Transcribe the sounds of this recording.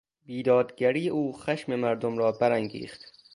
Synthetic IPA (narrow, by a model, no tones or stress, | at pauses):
biːd̪ɒːd̪ɡæɾiːeʔuːxæʃmemæɾd̪omɾɒːbæɾæŋɡḭːxt̪